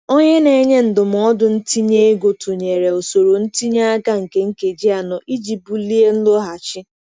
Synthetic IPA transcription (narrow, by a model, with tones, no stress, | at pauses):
o˦ɲe˦ne˨˦ɲe˦n̩˨dʊ˨m˨ɔ˦dʊ˨n̩˦ti˦ɲe˦e˦ɡo˨tu˨ɲe˨ɾe˨o˨so˨ɾo˨n̩˦ti˦ɲa˦a˦ɡa˦ŋ̩˨ke˦ŋ̩˦ke˨d͡ʒi˦a˨nɔ˨ʔi˦d͡ʒi˨bu˦li˦e˦n̩˦lo˦ɦa˨t͡ʃɪ˦